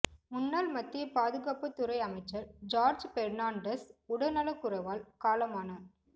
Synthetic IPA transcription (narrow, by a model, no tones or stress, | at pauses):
mʊnːaːlmɐt̪ːɪjɐpaːðɯɣaːpːɐt̪ːʊɾɐɪɐmɐɪt͡ʃːɐɾd͡ʒaːɾd͡ʒpɛɾnaːɳɖɐsʊɽɐnɐlɐkːʊɾɐʋaːlkaːlɐmaːnaː